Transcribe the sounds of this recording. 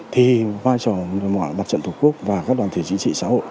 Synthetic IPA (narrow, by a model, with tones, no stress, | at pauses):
t̪ʰi˨˩vaː˧jt͡ɕɔ˨˩mɔ̰˧˨jɓaː˨˩t͡ɕə̰˧˨nt̪ʰu˨˩ku˦˥ək̚vaː˨˩kaː˦˥k̚ɗwaː˨˩nt̪ʰe˨˩t͡ɕi˧˥t͡ɕḭ˧˨sa̰ː˧˥ho̰˧˨j